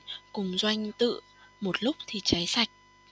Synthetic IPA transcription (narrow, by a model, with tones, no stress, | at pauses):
kʊ˨˩ŋ͡mzwa˧jŋ̟t̪ɨ̰˧˨ | mo˨˩t̚lʊ˦˥k͡p̚t̪ʰi˨˩t͡ɕa˨˦jsa˨˩jk̟̚